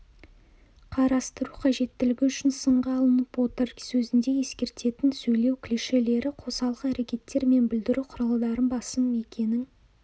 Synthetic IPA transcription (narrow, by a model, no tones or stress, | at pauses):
qʰɑɾɑst̪əɾuqʰɑʒe̞t̪ːɪlɪɡʲɪʏʃɪnsəɴʁɑːlˠənəpwo̞t̪ərsɵzɪnd̪e̞je̞skʲe̞ɾt̪e̞t̪ɪnsɵjle̞wkʲʰɪleʃe̞le̞ɾɪqʰosɑlˠʁəæɾekʲe̞t̪ːe̞ɾme̞nbɪld̪ɪɾuqʰʊɾɑlˠd̪ɑɾənbɑsəme̞kʲʰe̞nɪŋ